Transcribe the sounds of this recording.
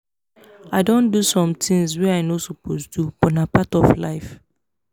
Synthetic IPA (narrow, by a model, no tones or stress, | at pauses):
aɪdõndusɔ̃mtʰĩŋzwɛaɪnosɔpostubɔ̃napatɔflaɪf